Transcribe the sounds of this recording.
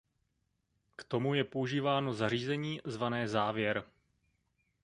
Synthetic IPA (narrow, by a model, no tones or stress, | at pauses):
kt̪o̞mujɛpouʒiːvaːno̞zar̝iːzɛɲiːzvanɛːzaːvjɛɾ